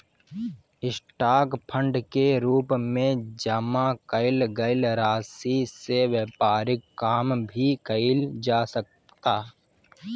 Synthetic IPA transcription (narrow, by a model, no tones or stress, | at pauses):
ɪsʈaːkpʰə̃ɳɖkeɾuːpmẽd͡ʒɐmakəɪlɡəɪlɾaːsiseʋjɛːpaːɾɪkːaːmbʱikəɪld͡ʒaːsək̚ | t̪aː